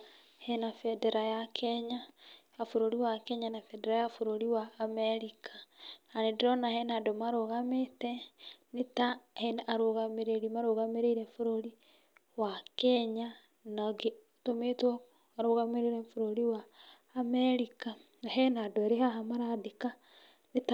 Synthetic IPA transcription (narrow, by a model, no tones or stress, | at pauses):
hɛnafɛdeɾajakʰɛɲaː | foɾoɾiwakɛɲanafɛdeɾajafoɾoɾiwaːmeɾikʰḁanedeɾɔnahɛnadomaɾoɣametɛnetahenaɾoɣameɾeɾimaɾoɣameɾeiɾefoɾoɾi | wakɛɲa | naɡe | tometɔ | aɾoɣameɾeɾefoɾoɾiwaː | meɾika | naɦɛnadoeɾehaɦamaɾadika | neta